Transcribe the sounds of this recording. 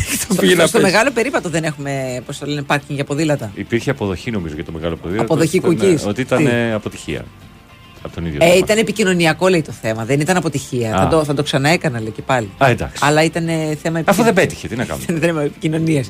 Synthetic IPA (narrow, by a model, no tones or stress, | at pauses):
t̪opienɐst̪ome̞ɣɐlo̞pe̞ɾipɐt̪o̞ðe̞ne̞xume̞post̪ɐlenepɐɾcʲiŋɡʝɐpo̞ðilɐt̪ɐipiɾçeɐpoðo̞çino̞mizo̞ʝɐt̪o̞meɣɐlopoðilɐtpoðoçikucisot̪iit̪ɐneɐpot̪i̥çḭɐ̰ | ɐpot̪oniðʝoeimt̪ɐnepicino̞niɐko̞leit̪oθe̞mɐðenit̪ɐnɐpo̞t̪içiɐɐd̪oθɐd̪o̞ksɐnɐe̞kɐnɐleicepɐliɐend̪ɐ̰ksiɐlɐit̪ɐneθe̞mɐipɐfoðebet̪i̥çet̪inɐkɐ̰mðnimepicino̞nies